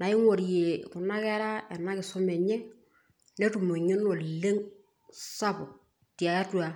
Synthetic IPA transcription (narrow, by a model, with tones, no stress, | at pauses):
na˨ɪ˦ŋo˨ɾje˨kʊ˨nːa˦kɛ˦ɾa˦ɛ˨nːa˦kɪ˨sʊ˦mɛ˨ɲɛ˦ | ne˦tu˨mo˨ɲe˦no˨le˦ŋ | sa˦pʊ˨ | ti˨a˨ja˦twa˨